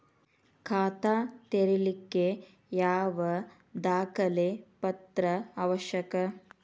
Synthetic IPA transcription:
kʰaːt̪at̪eɾilikːe | jaːʋɐ | d̪aːkʰɐlepɐt̪ɾɐaʋɐʃjɐkɐ

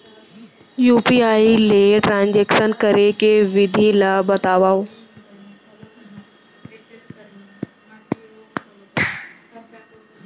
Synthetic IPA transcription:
juːpiaːileʈɾãːnd͡ʑeːksənkəɾekeʋɪd̪ʱilabɐt̪aːʋaːo

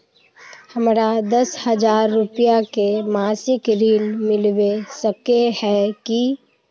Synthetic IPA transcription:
hɐmɾad̪ɐshəd͡ʒaːɾːʊpijakemaːsɪkɾiːlmɪlʋesəkehɛki

